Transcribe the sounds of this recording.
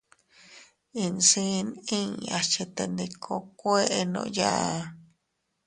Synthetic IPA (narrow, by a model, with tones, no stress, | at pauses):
ĩ˧nsi˦˧nĩ˦a˧t͡ʃe˧t̪e˧nd̪i˧kʰo˧kʷe˦ʔe˧nõ̰˧ja˦ʔa˧